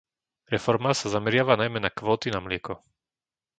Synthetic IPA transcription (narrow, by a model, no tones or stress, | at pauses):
ɾɛfɔɾmasazamɛɾɪaʋanajmɛnakʋɔːt̪inamlɪɛkɔ